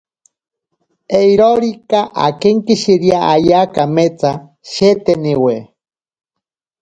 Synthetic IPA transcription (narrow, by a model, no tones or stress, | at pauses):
eiɾoɾikaʔa̰keŋkiʃiɾjaajakamet͡sa | ʃet̪eniwe